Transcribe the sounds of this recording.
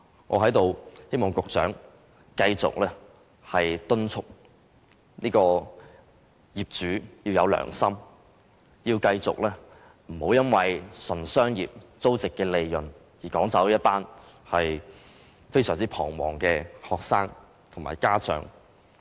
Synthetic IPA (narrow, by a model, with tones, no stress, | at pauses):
ŋɔ̰ː˨˧ɦɐ˨˥jt̪o˨˧whe˥jmɔː˨˩ŋkʊ˨k̚t͡ʃœ̰ː˨˥ŋ | kɐ˧jt͡sʊ̰˨k̚lɛː˥ | hɐ˨jt̪ɵ˥nt͡sʰʊ˥k̚ | niː˥kɔː˧ | jiː˨p̚t͡ʃyː˨˥jiː˧wjɐ˨˧wlœ̰ː˨˩ŋsɐ˥m | jiː˧wkɐ˧jt͡sʊ̰˨k̚lɛː˥ | m̩˨˩ho˨˥wjɐ˥nwɐ˨jsɐ˨˩nsœː˥ŋjiː˨p̚t͡so˥wt͡sɪ˨kːɛː˧le˨˧jjɵ˨˩n | jiː˨˩kɔː˨˥ŋt͡sɐ˨˥wjɐ˥t̚paː˥n | hɐ˨j | fe˥jsœː˨˩ŋt͡siː˥pʰɔː˨˩ŋwɔ̰ː˨˩ŋkɛː˧hɔː˨k̚saː˥ŋ | t̪ʰʊ˨˩ma̰ː˨˩jkaː˥t͡ʃœ̰ː˨˧˥ŋ